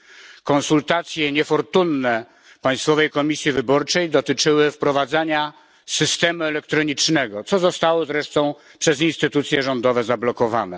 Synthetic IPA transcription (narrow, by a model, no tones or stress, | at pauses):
kɔ̃nsult̪at̪sʲjɛɲɛfɔɾt̪unːɛ | paj̃st̪fɔvɛjkɔmʲisʲjivɘbɔɾt͡ʂɛjd̪ɔt̪ɘt͡ʂɘwɘfpɾɔvad̪zaɲa | sɘst̪ɛmuɛlɛk̚t̪ɾɔɲit͡ʂnɛɡɔt̪sɔzɔst̪awɔzɾɛʂt̪ɔ̃w̃ | pʂɛzinst̪ɘt̪ut̪sʲjɛʐɔnd̪ɔvɛzablɔkɔvanɛ